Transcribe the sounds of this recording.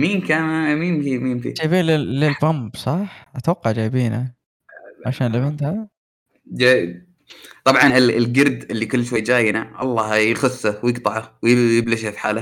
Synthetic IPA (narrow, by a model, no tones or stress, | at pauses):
miːnkanmiːnfimiːnfḭd͡ʒaːjbiːnlɪlɪlfʊmbsˤɑħʔat̪wɑqːɑʕd͡ʒaːjbiːna | ʕaʃaːnlɪbɪnt̪ha | d͡ʒaːj | t̪ˤɑbʕɑnɪlɪlɡɪɾd̪ɪlːikʊlːʃwajːd͡ʒaːjnaʔɑ̰lˤːɑːjɪxʊsːawjɪɡt̪ˤɑʕawjɪjɪblɪʃhafi̥ħa̰ːla